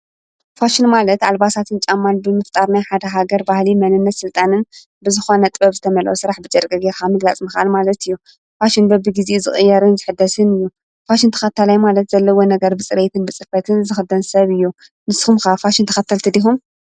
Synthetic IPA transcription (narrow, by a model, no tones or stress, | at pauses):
faʃɪnmalɐt̪ʔalbasat̪ʰɨnt͡ʃʼamːanbɨmɨft̪ʼaɾnajħad̪ɐɦaɡɐɾbahlimɐnɨnːɐt̪sɨlt̪ʼanɨn | bɨzɨxo̞nɐt̪ʼɨbɐβzɨt̪ʰɐmɐlʔosɨɾaħbɨt͡ʃʼɐɾkʼɐɡeɾxamɨɡlat͡sʼmɨxʔalmalɐt̪ɨjːu | faʃɪnbɐbɨɡizezɨxʼɨjːɐɾɨnzɨħɨd̪ːɐsɨnɨjːu | faʃɪnt̪ʰɐ̥xɐt̪ʰːɐlajmalɐt̪z̥ɐlːɐwonɐɡɐɾbɨt͡sʼɨɾet̪ʰɨnbɨt͡sʼɨfɐt̪ʰɨnzɨxɨd̪ɐnsɐβɨjːu | nɨsxumxafaʃɪnt̪ʰɐ̥xɐt̪ʰːɐlt̪ʰɨd̪ixum